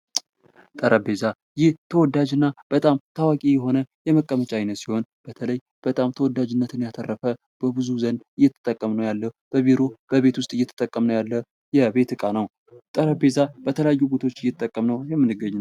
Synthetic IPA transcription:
t̪ʼəɾʔəbe̞za | jɪht̪ʰəwɔd̪ːad͡ʒɨnːab̥ət̪ʼamt̪ʰawakʼijɛɦo̞nəjɛməkʼːəmət͡ʃʼaajnət̪siho̞nb̥ət̪ʰələj | b̥ət̪ʼamt̪ʰəwɔd̪ːad͡ʒɨnːət̪ɨnjat̪ʰərːəfə | b̥əbɨzuzənɨjːɛt̪ʰə̥t̪ʼːəkʼːəmnəwjalːəb̥əβiɾob̥əβe̞t̪wʊst̪ʼɨjːɛt̪ʰə̥t̪ʼəkʼːəmnəwjalːə | jɛbe̞t̪ɨkʼanəw | t̪ʼəɾəbe̞zab̥ət̪ʰələjajːubet̪ʰo̞t͡ʃːɨjːɛt̪ʼːəkʼːəmnəwjɛmːɨnːɨɡːəɲːn

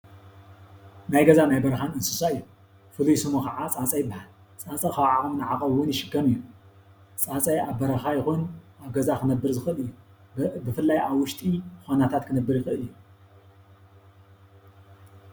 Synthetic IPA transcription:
najɡɐzanajbɐɾxanɨnsɨsaɨjːu | fɨlujsɨmukaʕat͡sʼat͡sʼɐjɪbːaħal | t͡sʼat͡sʼɐkɐwaʕakumnɨʕakʼɐwːʊnjɪʃɨɡɐmɨjːu | t͡sʼat͡sʼɐjaβbɐɾɐxajɪxunʔaβɡɐzakʰɨnɐbːɨɾzɨxɨɨlɨjːu | bɨfɨlːajaβwʊʃt̪ʼixʷonat̪ʰat̪kʰɨnɐbːɨɾjɪxɨɨljːu

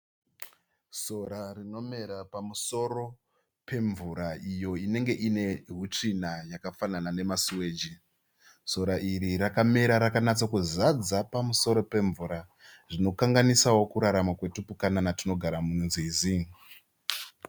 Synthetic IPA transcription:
so̞ɾarino̞me̞ɾapamuso̞ɾo̞ | pe̞ɱvuɾaijo̞ine̞ŋɡe̞ʔine̞ɦut͡ʂinajakafananane̞masiwe̞ːd͡ʒi | so̞ɾaʔiɾiɾakameɾaɾakanat͡sakuzad͡zapamuso̞ɾo̞pe̞ɱvuɾa | ʐino̞kaŋɡanisawo̞kuɾaɾamwakwe̞tupukananatino̞ɡʱaɾamununziːziŋ

